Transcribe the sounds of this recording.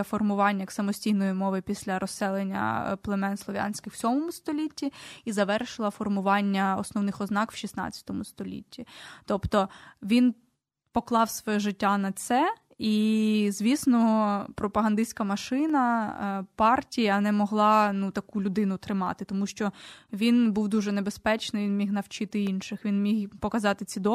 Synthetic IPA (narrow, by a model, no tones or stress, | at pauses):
fɔrmʊʋɑnʲːɐjksɐmɔsʲtʲiɦnɔjimɔʋɪpʲisʲlʲɐɾɔsɛlˠenʲːɐ̰plˠemɛnslˠɔʋʲja̰nʲsʲkʲɪxw̥sʲɔmɔmʊst̪ɔlʲitʲːiizɐʋɛrʃɪlˠɐfɔrmʊʋɑnʲːɐɔ̰snɔwnɪxɔznɑkw̥ʃisnɑ̰t͡sʲːɐ̥t̪ɔmʊst̪ɔlʲḭtʲʰːit̪ɔpt̪ɔʋʲin | pɔklˠɑwsʋɔjɛʒɪtʲːanɐsɛ | izʲʋʲisnɔpɾɔpɐɦɐnd̪ɪsʲkɐmɐʃɪnɐpɑrtʲijɐnɛmɔɦlˠɑnut̪ɐkulʲʊd̪ɪnʊt̪ɾɪmɑ̰t̪ɪt̪ɔmuʃt͡ʃɔʋʲinbuwd̪uʒɛnebespɛt͡ʃnɪʋʲinmʲixnɐwt͡ʃɪt̪ɪinʃɪxʋʲinmʲiɦpɔkɐzɑt̪ɪt͡sʲid̪ɔ